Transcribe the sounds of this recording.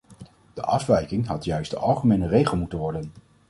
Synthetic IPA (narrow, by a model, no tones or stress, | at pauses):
d̥ə̰ʔɑfʋɛjkɪŋɦɑtjœɥsdəʔɑlˠχəmejnərejχəl̩ˠmutənʋɔɹdən